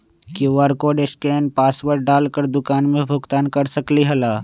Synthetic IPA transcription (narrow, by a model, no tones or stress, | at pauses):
kiʋəɾkoːɖeskɾeːnpaːsʋəɾɖaːlkəɾd̪ʊkaːnmẽbʱʊɡt̪aːnkɐɾsəkliɦɐlaː